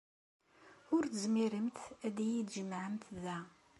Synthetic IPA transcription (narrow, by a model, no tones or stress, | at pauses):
ʊɾt̪əzmiɾəmt̪æðijid̪ʒəmːʕəmt̪ðæ